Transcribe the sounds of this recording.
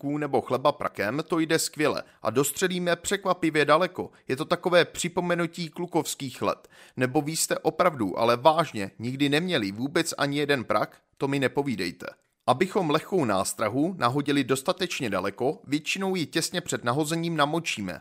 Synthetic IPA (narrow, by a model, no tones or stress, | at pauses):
kuːnɛbo̞xlɛbapɾa̰kɛmt̪o̞jdɛskvjɛlɛ̰ʔa̰do̞st̪r̝̥ɛliːmɛpr̥ɛkvapɪvjɛdalɛko̞jɛt̪o̞t̪ako̞vɛːpr̝̥ɪpo̞mɛnuciːkluko̞fskiːxlɛ̰t̪nɛbo̞viːst̪ɛʔo̞pɾavduʔa̰lɛvaːʒɲɛɲɪɡdɪnɛmɲɛlɪvuːbɛt͡sʔa̰ɲɪjɛdɛnpɾʔak | t̪o̞mɪnɛpo̞viːdɛ̰jt̪ɛ̰ | ʔabɪxo̞mlɛxko̞wna̰ːst̪ɾaɦunaɦo̞ɟɪlɪdo̞st̪at̪ɛt͡ʃɲɛda̰lɛko̞vjɛt͡ʃɪno̞wjɪcɛsɲɛpr̥ɛdnaɦo̞zɛɲiːmnamo̞t͡ʃiːmɛ̰